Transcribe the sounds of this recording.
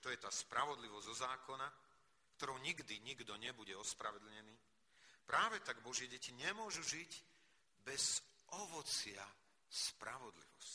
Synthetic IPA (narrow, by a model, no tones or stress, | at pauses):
t̪ɔjɛt̪aːspɾaʋɔd̪liʋɔzʲzɔzaːkɔna | kt̪ɔɾɔʊɲiɡd̪iɲiɡd̪ɔɲɛbuɟɛɔspɾaʋɛd̪l̩ɲɛniː | pɾaːʋɛt̪aɡbɔʒɪɛɟɛciɲɛmʊɔʒuʒic | bɛz̥ʔɔʋɔt͡sɪa | spɾaʋɔd̪lḭʋɔ̰sc